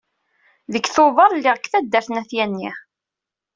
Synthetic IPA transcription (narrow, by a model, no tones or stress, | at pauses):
ðəkːθoðˤəɾˤlːɪʁəkːθæd̪ːæɾθnæθjænːḭ